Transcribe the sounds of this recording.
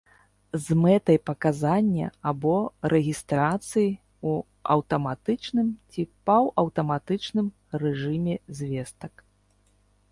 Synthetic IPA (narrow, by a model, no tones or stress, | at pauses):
zmɛt̪ɐjpɐkazanʲːɐ̰abɔɾʔɛɣʲist̪ɾat̪sɨji | u | ɐ̰wt̪ɐmat̪ɨt͡ʂnɨmt͡sʲipawɐwt̪ɐmat̪ɨt͡ʂnɨm | rɛʐɨmʲɛzʲvʲɛst̪ɐk